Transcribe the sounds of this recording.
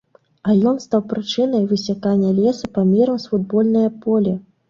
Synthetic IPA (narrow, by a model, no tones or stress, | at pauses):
ɐjɔnst̪awpɾɨt͡ʂɨnɐjvɨsʲakanʲːɐlʲɛsɐpamʲɛɾɐmsfud̪̚bɔlʲnɐjɐpɔlʲɛ